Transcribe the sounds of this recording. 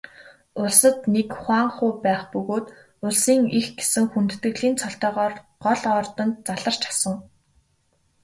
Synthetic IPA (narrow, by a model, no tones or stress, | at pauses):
ʊɮsə̆t̪nekχwaːɴχʊːpæːχpɵɣoːt̪ | ʊɮsiːŋixɡesɘ̆ŋxunt̪ːɘ̆ɣɮiːnt͡sʰɔɬt̪œːʁɔːr | ɢɔɮɔːrt̪ɞ̆nt̪̚t͡saɮə̆r̥t͡ɕʰḁsə̆ŋ